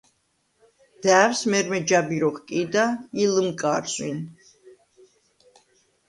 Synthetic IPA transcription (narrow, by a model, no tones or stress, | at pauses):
d̪̥æːwsmɛɾmɛd͡ʒabiɾɔχkʼid̪ailəmkʼaːɾswin